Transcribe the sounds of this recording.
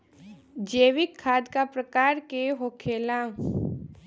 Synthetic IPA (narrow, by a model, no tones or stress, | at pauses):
d͡ʒeːʋɪkʰːaːd̪kapɾəkaːɾkeɦoːkʰeːlã